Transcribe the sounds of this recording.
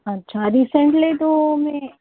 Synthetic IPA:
ɐtːʃʰaɾiːsəɳʈlit̪omẽ

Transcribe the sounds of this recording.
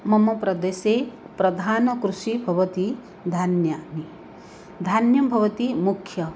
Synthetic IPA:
mɐmɐpɾɐd̪eːse | pɾɐd̪ʱaːnɐkɾuʃibʱɐʋɐt̪i | d̪ʱanjaːni | d̪ʱanjɐmbʱɐʋɐt̪imukʰjɐ

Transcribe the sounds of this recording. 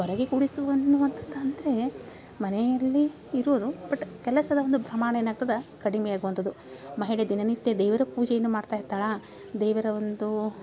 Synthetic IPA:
ɔɾɐɡekuɽisuɐnːuʋɐnt̪ʰɐd̪ɐnd̪ɐɾe̞ | mɐnɛjɐlːiː | ɾod̪ub̥ɐʈːkɛlɐsɐd̪ɐo̞nd̪ubɾɐmaːɳɐenːaːɡut̪ɐd̪ɐkɐɽimɛjaːɡuʋɐnt̪ɐd̪u | mɐɦiɽed̪inɐnit̪ːjɐd̪ɛːʋɐɾɐpuːd͡ʒejɐnːumaːɖt̪aːjiɾt̪aːɽɐ | d̪ɛːʋɐɾɐond̪u

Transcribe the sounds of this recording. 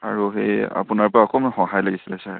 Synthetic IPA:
a̰ɹuɦeja̰punaɹpaːkʰɔmahɔŋɦajlaɡisilasa

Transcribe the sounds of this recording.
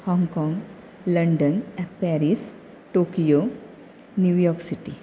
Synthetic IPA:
hɔ̃ːŋɡkɔːŋɡ | lɐɳɖənpɛːɾis | ʈoːkijo | njuʋjɔːksiʈi

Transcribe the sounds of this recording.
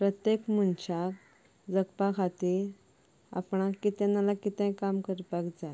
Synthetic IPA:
pɾət̪jekmunt͡ɕak | d͡zəkpakʰat̪iːɾ | a̰pɳ̃akit̪ɛ̃nalakit̪ɛ̃jkamkəɾpakd͡za

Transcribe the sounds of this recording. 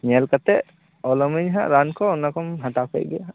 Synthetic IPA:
ɲɛlkat̪ɛ | ɔlɔmiɲɦã̰ɾankɔɔnakɔmɦat̪apɛ̰jɡɛjaɦ

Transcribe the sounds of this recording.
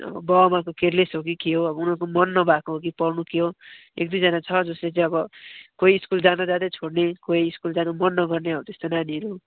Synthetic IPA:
ʌ̰bʌbʌmakokeɾlesɦok̬ikiɦoʌbʌunʌrkomʌnːʌbakoɦok̬ipʌrnukiɦo | ḛk̚d̪ujd͡zʌnat͡sʰʌd͡zʌslet͡saĩʌbʌkojːskuld͡zanad͡zad̪ʌjt͡sʰoɽnekoiːskuld͡zanamʌnːʌɡʌrneɦʌwt̪est̪onaniʌɾu

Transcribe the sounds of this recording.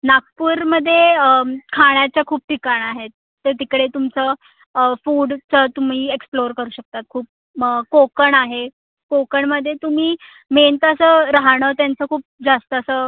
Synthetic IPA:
nak̚puːɾməd̪ʱːjekʰaɳjat͡ɕjakʰuːp̚ʈ̪ikaɳaɦet̪ːəɾt̪ikɽet̪umt͡sə | fuːɽt͡sət̪um̤iːeksploɾkəɾuːɕək̚t̪at̪̚kʰuːp̚ | əkokəɳaɦe | kokəɳməd̪ʱːjet̪um̤iː | ment̪əsəːɾaɦɳəːt̪jant͡səkʰuːp̚d͡zast̪əəsə

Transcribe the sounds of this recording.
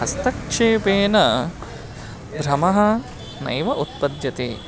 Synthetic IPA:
ɦɐst̪ɐkʂeːpeːnɐ | d̪ʱɾɐmɐɦɐ̆ | nɐ̰jʋɐʔut̪̚pɐd̪jɐt̪ḛː

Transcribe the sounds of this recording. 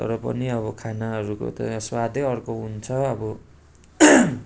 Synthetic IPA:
t̪ʌ̰ɾʌpʌ̰niʌβʌkʰanaɦʌɾuko̰t̪ʌswad̪ʱeʌrkoɦunt͡sʰʌʌbʌ

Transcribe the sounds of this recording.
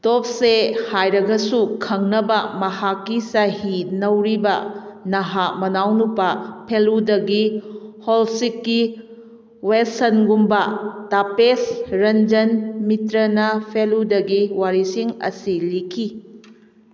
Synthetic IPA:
top̚sehajɾɐɡɐsukʰɐŋnɐbɐmɐhakːisahinɐwɾibɐnɐɦamɐnawnupɐpʰeludɐɡiholsikːi | westɐnɡumbɐtapesɾɐnd͡ʒɐnmitɾɐnɐpʰeludɐɡiwaɾisiŋɐ̰silikʰi

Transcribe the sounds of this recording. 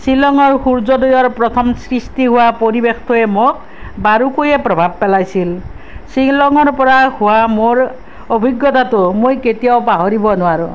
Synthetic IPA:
silɔŋɔɹxuɾd͡ʒɔdɔjɔɹpɾɔt̪ʰɔmsɾistiɦʊwapoɾibext̪ʰoemok̚ | baɾukujepɾɔbʱab̚pelajsil | silɔŋɔɾpɔɾahʊwamoɾ | obʱiɡjɔt̪at̪umojket̪iawpaɦoɾibɔnʊaɾu

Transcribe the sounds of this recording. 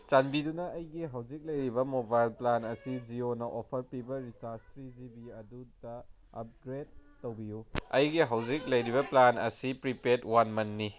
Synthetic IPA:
t͡ʃanbidunɐɐjɡiɦɐwd͡ʒik̚lɐjɾibɐmobajlplanɐsid͡ʒionɐʔopʰɐɾpibɐɾit͡ʃaɾstɾid͡ʒibiɐdudɐ | ɐ̰p̚ɡɾed̚ːowbijuɐjɡiɦawd͡ʒik̚lɐjɾibɐplanɐ̰sipɾipetwanmɐnːi

